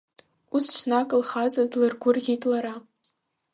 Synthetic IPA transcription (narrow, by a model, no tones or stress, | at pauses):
usʃʷnakʼɨlχazadlɨrɡʷʊrʁʲitʼlaɾa